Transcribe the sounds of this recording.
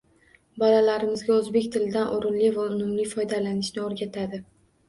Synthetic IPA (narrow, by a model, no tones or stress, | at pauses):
bɒlalaɾɪmɪzɡʲaɵzbe̞kʲt̪ʰɪlɪd̪anʔoɾɪnlɪvaʊnʊmlɪfɒjd̪alanɪʃnɪoɾɡʲat̪ʰad̪ɪ